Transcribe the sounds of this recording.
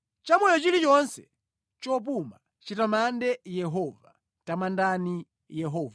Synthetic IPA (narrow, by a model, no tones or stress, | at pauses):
t͡ʃamɔjɔt͡ʃilit͡ʃɔnsɛ̰ | t͡ʃɔp̬uma | t͡ʃitamandɛjɛɦɔva | tamandani | jɛɦɔːva